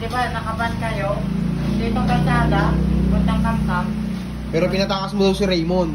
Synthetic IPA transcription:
d̪ɪbanɐkɐbankɐjod̪iːt̪oŋkɐɾsaːd̪abʊt̪ːɐŋt̪amt̪am | pɛːɾopɪnɐt̪aːkɐsmod̪osɪɾɛjmon

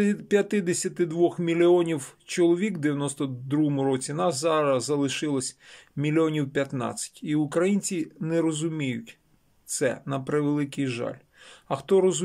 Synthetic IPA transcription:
pʲjɐt̪ɪd̪esʲɐt̪ɪd̪ʋɔxmʲilʲːiɔnʲiwt͡ʃɔlˠɔʋʲikd̪eʋʲjɐnɔst̪ɔd̪ɾuɦɔmʊɾɔt͡sʲinɑszɑɾɐzɐlˠɪʃɪlˠɔsʲmʲilʲiɔnʲiwpʲjɐt̪nɑ̰t͡sʲɐ̥tʲiʊkɾɐjinʲt͡sʲinɛɾɔzʊmʲijʊtʲ | t̪sɛ̰nɐpɾeʋelˠɪkɪjʒɑ̰lʲ | ɐxt̪ɔɾɔz

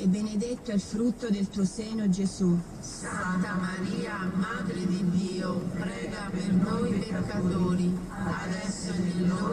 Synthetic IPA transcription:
ɛbːened̪et̪ːoɛlfɾut̪ːod̪elt̪uoseːnod͡ʒesu | sant̪amaɾiːamad̪ɾed̪id̪iːopɾɛːɡapernojipeekːat̪oːɾi | ad̪ɛsːeɾd̪ioː

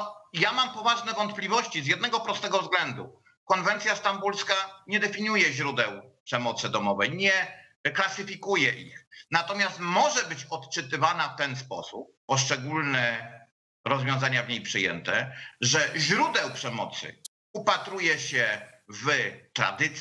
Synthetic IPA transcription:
jamampɔvaʐnɛvɔnt̪̚plʲivɔɕt͡ɕizjɛd̪nɛɡɔpɾɔst̪ɛɡɔvzɡlɛnd̪ṵ | kɔnvɛnt̪sʲjast̪ambulskaɲɛd̪ɛfʲiɲujɛʑɾud̪ɛwpʂɛmɔt̪sɘd̪ɔmɔvɛjɲɛ | klasɘfʲikujɛʔḭxnat̪ɔmʲjast̪mɔʐɛbɘt͡ɕɔt̪t͡ʂɘt̪ɘvanaft̪ɛnspɔsupːɔʂt͡ʂɛɡulnɛ | ɾɔzvʲjɔ̃w̃zaɲavɲejpʂɘjɛ̰nt̪ɛʐɛʑɾud̪ɛwpʂɛmɔ̰t̪sɘ̰ | upat̪ɾujɛɕɛvt̪ɾa̰d̪ɘt̪sʲ

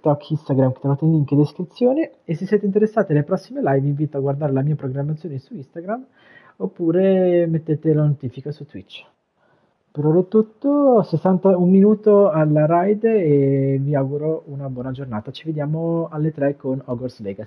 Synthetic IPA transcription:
t̪ɔkʰːist̪aɡɾamke̥t̪ːɾovaːt̪eiŋked̪iskɾit̪sːjoːneesːesːjɛːt̪eint̪eɾesːaːt̪elepɾɔsːimelajviɱviːt̪oaɡward̪aːɾelamiːapɾoɡɾamːat̪sjoːnesuist̪aɡɾam | opːuːɾemet̪ːeːt̪elanot̪iːfikasut̪wit͡ʃː | peɾoɾet̪ːut̪ːosesːant̪aumminuːt̪oalaɾajd̪eeviaɡuɾounabwɔːnad͡ʒornaːt̪at͡ʃived̪jaːmoalːet̪ɾɛkonɔɡoɾslɛ̰ɡas

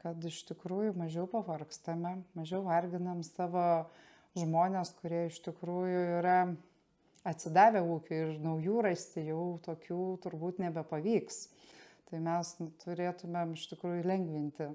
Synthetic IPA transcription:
kɐt̪ɪʃt̪ʲɪkɾuːjʊmɐʒʲɛʊpɐʋɐrkst̪ɐmʲɛmɐʒʲɛʊʋɐrʲɡʲɪnɐmsɑːʋoː | ʒmoːnʲeːskʊɾʲiɛɪʃt̪ʲɪkɾuːjʊiɾɐ | ɐt̪ʲsʲɪd̪ɑːʋʲeːuːkʲʊɪrnɐʊjuːrɐsʲt̪ʲɪjɛʊt̪oːkʲuːt̪ʊɾbuːt̪nʲɛbʲɛpɐʋʲiːkst̪ɐɪmʲɛst̪ʰʊɾʲeːt̪ʊmʲemɪʃt̪ʲɪkɾuːjʊlʲɛŋʲɡʲʋʲɪnʲt̪ʲɪ

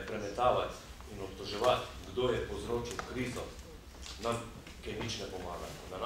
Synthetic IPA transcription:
pɾɛmɛt̪aːʋat̪ | inɔpt̪ɔʒɛʋat̪ɡd̪oːjɛpowzɾoːt͡ʃiwkɾiːzɔ | nam | kɛjnit͡ʃnɛpɔmaːɡa̰d̪an

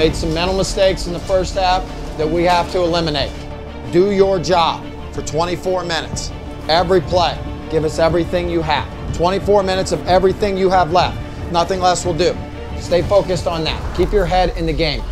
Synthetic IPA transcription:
eɪd̥sʌ̃mɛ̃ɾ̃l̩ˠməsteɪksn̩ðəfɜ˞st̚hæf | ðɨt̚wihæftʰəəlɪ̃mɨneɪt̚ | d̥ɨjə˞d͡ʒɑb̥ | fə˞tʰw̥ɛ̃ɾ̃ifɔɹmɪ̃ñɨts | ɛvɹipʰl̥eɪ | ɡ̥ɪvʌsɛvɹiθɪ̃ŋjɨə̰v̥tʰw̥ɛ̃ɾ̃ifɔɹmɪ̃ñɨtsʌvɛvɹiθɪ̃ŋjɨəvlɛft̚ | nʌθɪ̃ŋlɛswəlˠdɨ | steɪfoʊkɨstn̩ðæ̰t̚kʰipjə˞ɦɛɾɪ̃nðɨɡẽɪ̃m

